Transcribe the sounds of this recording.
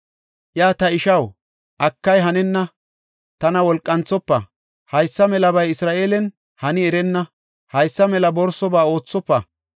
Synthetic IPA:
ʔjaːt̪ɐɪʃɐw | ʔɐkːɐjɦɐnɛnːɐ | t̪ɐnɐwɔlkʼːɐnt͡sːɔpːɐ̰ | hɐjsːɐmɛlɐbɐjɪsɾaːʔeːlɛn | hɐnɪɛɾɛnːɐ | hɐjsːɐmɛlɐbɔɾsɔbaːo̞ːt͡sːɔpːɐ̰

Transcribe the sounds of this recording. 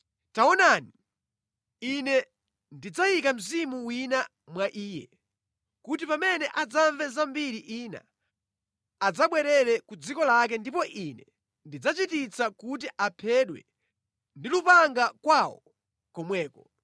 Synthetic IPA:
taɔnani | inɛ | ndid͡zajikam̩zimuwina | mwaʔiːjɛ̰ | kutipamɛnɛʔad͡zaɱvɛzambiɾiʔiːna̰ | ad͡zaɓwɛɾɛɾɛkud͡zikɔlak̬ɛndipɔʔinɛ | ndid͡zat͡ʃitit͡sakut̬iʔapʰɛɗwɛ̰ | ndilupaŋɡakwawɔ̰ | kɔmwɛːkɔ

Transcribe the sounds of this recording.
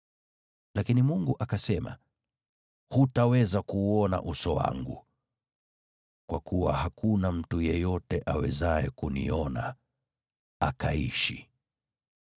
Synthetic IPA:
lakinimuŋɡuʔakasɛma̰ | hutawɛzakuɔna̰ʔusɔwa̰ŋɡṵ | kwʔakuwa̰hakunam̩tujɛjɔtɛʔawɛ̰zaɛkunḭɔna | akaḭʃi

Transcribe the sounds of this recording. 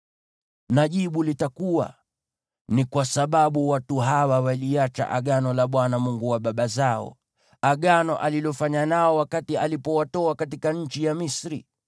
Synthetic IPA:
naʄiɓulitakuwa̰ | nikwasaɓaɓuwatuɦawawaliat͡ʃa̰ʔa̰ɠanɔlaɓwanamuŋɡuwaɓaɓazaɔ̰ | aɠanɔʔalilɔfaɲanaɔwakatialipɔwatɔakatikaɲ̩t͡ʃijamisɾḭ

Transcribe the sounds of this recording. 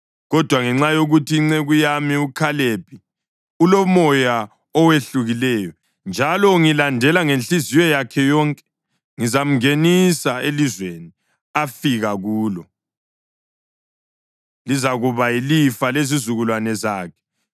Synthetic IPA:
ɣɔd̥ʱwaŋɛŋ͡ǁajoɣutʰiːŋ͡ǀeɣujamiukʰalepʰʼi | ulɔmɔja | ɔweɬuɣilɛːjɔ | nd͡ʒʱalɔŋilandʱɛlaŋent͡ɬizijɔjakʰɛjɔŋkʼɛ̥ | ŋizam̩ŋenisaelizweni | afiɣaɣuːlɔ | lizaɣuβailifalezizuɣulwanɛzaːkʰɛ̥

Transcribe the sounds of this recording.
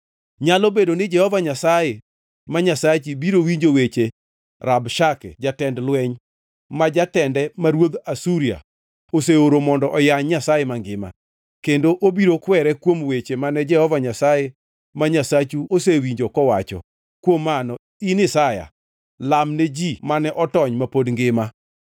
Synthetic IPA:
ɲalɔbedonɪd͡ʒɛhɔvaɲasaje | maɲasat͡ʃibiɾowiɲd͡ʒowet͡ʃe | rabʃakɛ̰d͡ʒatɛndlwɛɲ | mad͡ʒatɛndɛmaɾwod̪asuɾia̰ | oseoɾomɔndɔʔɔjaɲɲasajemaŋɡɪma̰ | kendoʔobiɾokwɛɾɛkwomwet͡ʃemanɛd͡ʒɛhɔvaɲasaje | maɲasat͡ʃuosewiɲd͡ʒokɔwat͡ʃɔ̰ | kwomːanɔ | inɪsaja̰ | lamned͡ʒimanɛʔɔtɔɲmapodŋɡɪma

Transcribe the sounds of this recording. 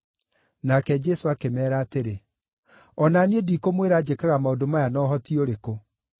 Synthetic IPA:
nakɛd͡ʒɛsoakemɛːɾaːteɾe | ɔnaniedikomweɾaːd͡ʒekaɣamaodomajanɔːɦɔtioɾeko

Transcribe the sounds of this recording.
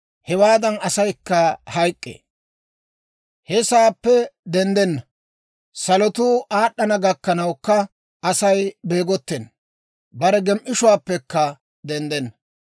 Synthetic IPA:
hɛwaːd̪ɐnɐsɐjkːɐhɐjkʼːḛː | hɛsaːpːɛd̪ɛnd̪ɛnːɐ | sɐlɔt̪ʊʔaːɗːɐnɐɡɐkːɐnɐwkːɐ | ɐsɐjbe̞ːɡɔt̪ːɛnː | bɐɾɛɡɛmʔɪʃʊwaːpːɛkːɐ | d̪ɛnd̪ɛnːɐ

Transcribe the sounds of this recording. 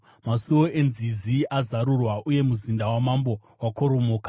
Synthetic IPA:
masuwo̞enziziʔazaɾurwaʔuje̞muzindawamambo̞ | wako̞ɾo̞moːkḁ

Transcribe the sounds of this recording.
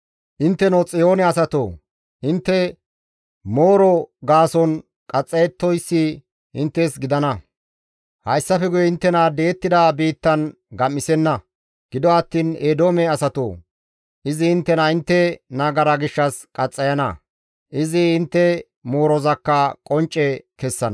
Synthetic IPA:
ʔɪnt̪ːɛnot͡sʼɪjo̞ːnɛɐsɐt̪o̰ː | ʔɪnt̪ːɛ | moːɾɔɡaːsɔn | kʼɐt͡sʼːɐjɛt̪ːɔjsːi | ɪ̰nt̪ːɛsɡɪd̪ɐnɐ | hɐjsːɐfɛɡʊjɛɪnt̪ːɛnad̪eːt̪ːɪd̪ɐbiːt̪ːɐn | ɡɐmːɪsɛnːɐ | ɡ̥ɪd̪ɔɐt̪ːiːneːd̪o̞ːmɛɐsɐt̪o̰ː | ʔɪzɪhɪnt̪ːɛnɐɪnt̪ːɛnaːɡɐɾɐɡɪʃːɐskʼɐt͡sʼːɐjɐnɐ̰ | ʔɪzɪɪnt̪ːɛ | mo̞ːɾɔzɐkːɐkʼɔnt͡ʃʼːɛkɛsːɐn

